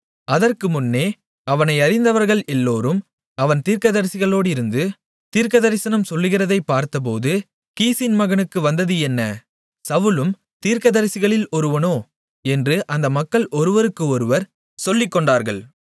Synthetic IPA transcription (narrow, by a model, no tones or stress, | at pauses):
ɐðɐrkɯmʊnːeː | ɐʋɐnɐɪɐɾɪnd̪ɐʋɐɾɣɐɭɛlːoːɾɯm | ɐʋɐnt̪iːɾkɐðɐɾɪsɪɣɐɭoːɽɪɾɯnd̪ɯ | t̪iːɾkɐðɐɾɪsɐnɐmsɔlːɯɣɪrɐðɐɪpːaːɾt̪ɐp̬oːðɯ | kiːsɪnmɐɣɐnɯkːɯʋɐnd̪ɐðɯɛnːɐ | sɐʋɯlɯm | t̪iːɾkɐðɐɾɪsɪɣɐɭɪlɔɾɯʋɐnoː | ɛndrɯʔɐnd̪ɐmɐkːɐɭʔɔɾɯʋɐɾɯkːɯɔɾɯʋɐɾ | sɔlːɪkːɔɳɖaːɾɣɐɭ